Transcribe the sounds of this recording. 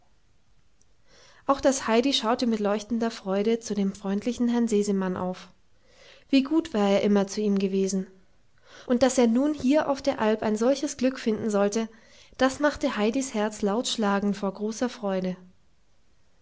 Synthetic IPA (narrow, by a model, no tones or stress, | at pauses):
ʔaʊxd̥ashaɪdiʃaʊtəmɪtlɔʏçtn̩dɐfʁ̥ɔʏɾət͡sudeːmfʁ̥ɔʏntʰlɪçn̩hɦɛɐnzeːzəmanʔa̰ʊf | v̥iːɡuːtv̥aːɐeːɐʔɪmɐt͡suiːmɡəveːzn̩ | ʔʊnt̚d̥aseːɐnuːnhiːɐʔa̰ʊfd̥eːɐʔalpa̰ɪnzɔlçəsɡ̥lʏkfɪndn̩zɔltə | d̥asmaχtəhaɪdishɛɐt͡slaʊtʃlaːɡŋ̩foːɐɡʁoːsɐfʁ̥ɔʏdə